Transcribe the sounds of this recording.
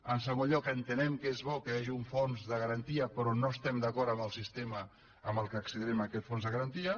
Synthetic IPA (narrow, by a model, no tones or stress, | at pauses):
ənsəɣoʎɔkənt̪ənɛmkezβɔkəjaʒiuɱfonzðəɣəɾənt̪iəpɾɔnoəst̪ɛmd̪əkɔɾəmbəlˠsist̪emə | əmbəlˠkəːksəðiɾɛmakɛt̪fonzðəɣəɾənt̪iə